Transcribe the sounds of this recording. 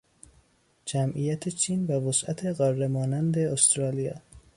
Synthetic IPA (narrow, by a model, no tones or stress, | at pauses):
d͡ʒæmʔijæt̪ʰet͡ʃʰiːnvævosʔæt̪ʰeɣɒːrːemɒːnænd̪eost̪ɾɒːlijɑ̰ː